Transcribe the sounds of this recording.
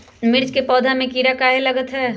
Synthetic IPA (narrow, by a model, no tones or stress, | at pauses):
mɪɾd͡ʒkepɔːd̪ʱamẽkiːɾakaːɦelɐɡət̪ɦɛː